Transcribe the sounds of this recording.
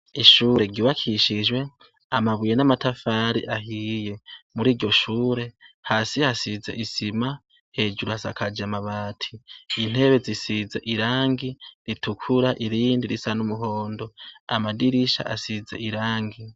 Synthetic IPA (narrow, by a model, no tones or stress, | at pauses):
iʃuːɾe̞ɟiβakʰiʃiʒwe̞ | amaβujenamatafaɾḭʔaɦije̞muɾiːɾɟo̞ʃuːɾe̞haːsihasizḛʔisima | he̞ːd͡ʒuɾuhasakʰad͡ʒamaβaːtʰiin̥he̞βe̞zisizḛʔiɾaːŋɡiɾitʰukʰuɾaʔiɾiːndiɾisanumuɦo̞ːndo̞amadiɾiʃa̰ʔasizḛiɾaːŋɡi